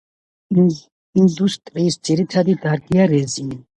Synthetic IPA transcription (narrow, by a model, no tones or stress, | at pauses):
ind̪ust̪ʼɾiːsd̪z̥iɾit̪ʰad̪id̪aɾɡijaɾɛzin